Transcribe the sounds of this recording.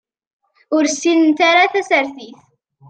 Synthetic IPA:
ʊɾsːinənt̪aɾaθæsəɾθiθ

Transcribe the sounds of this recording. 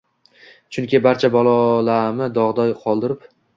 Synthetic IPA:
t͡ʃʰʊŋkʲɪbaɾt͡ʃʰabɒlˠɒlamɪd̪ɒʁd̪ɒjqʰɒlˠd̪ɪɾɪp

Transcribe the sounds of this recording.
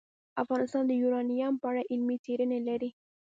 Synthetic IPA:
afɣɑnɪst̪ɑnd̪əjuɾɑnijampəaɽaʔɪlmit͡seɾənelaɾi

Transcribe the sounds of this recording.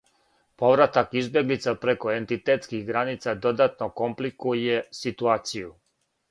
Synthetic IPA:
poʋɾat̪akizbje̞ɡlit̪sapɾeko̞ent̪it̪eːt̪skixɡɾanit̪sad̪o̞d̪at̪noko̞mplikujesit̪uaːt̪siju

